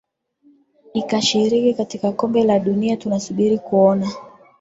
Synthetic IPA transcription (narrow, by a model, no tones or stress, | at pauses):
ikaʃiɾikikatikakɔmbɛlaɗuniatunasuɓiɾikuɔna